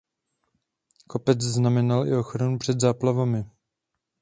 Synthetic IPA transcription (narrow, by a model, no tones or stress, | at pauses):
ko̞pɛt͡sznamɛnalɪ̰o̞xɾanupr̝̥ɛd̪zaːplavamɪ